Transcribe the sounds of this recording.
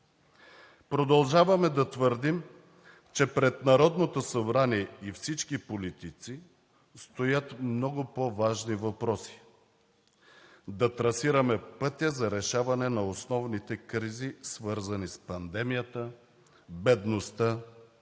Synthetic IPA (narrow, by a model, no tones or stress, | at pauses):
pɾod̪ɐlˠʒavɐmɛd̪ɐt̪vəɾd̪im | t͡ʃɛpɾɛt̪nɐɾɔd̪not̪osɐbɾaniɛifsit͡ʃkipolit̪it̪si | st̪ojət̪mnɔɡʊpovaʒnivɐpɾɔsi̥ | d̪ɐt̪ɾɐsiɾɐmɛpɤt̪ʲjəzɐɾɛʃavɐnɛnɐosnɔvnit̪ɛkɾizisvɤɾzɐnispɐnd̪ɛmijət̪ə | bɛd̪nost̪ə